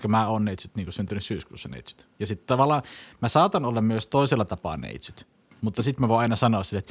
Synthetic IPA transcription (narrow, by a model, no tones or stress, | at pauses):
kɑmæoːnneit̪syt̪niːŋkusynt̪ynyssyːskṵːsːɑnḛˑit̪sy̥t̪jɑsit̪t̪ɑʋɑlːˑɑːmæsɑːt̪ɑnolːɑmmyøst̪oˑiselːɑt̪ɑpɑ̰ːˑnḛit̪syt̪ | mut̪ːɑsit̪mæʋoˑɑˑinɑsɑnoɑssilːet̪